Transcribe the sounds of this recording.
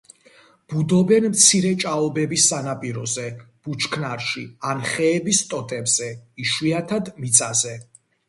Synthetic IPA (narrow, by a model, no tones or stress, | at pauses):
b̥ud̪ɔbɛnmt̪sʰiɾɛt͡ʃʼaɔbɛbisːanapʼiɾɔzɛ | b̥ut͡ʃʰkʰnaɾʃianχɛːbist̪ʼɔt̪ʼɛbz̥ɛiʃwiat̪ʰad̪mit̪sʼazɛ